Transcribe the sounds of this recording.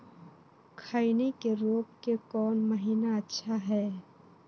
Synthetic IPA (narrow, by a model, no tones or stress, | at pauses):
kʰaːinekeɾoːp̚kekɔːnməɦiːnaɐtːʃʰaɦɛː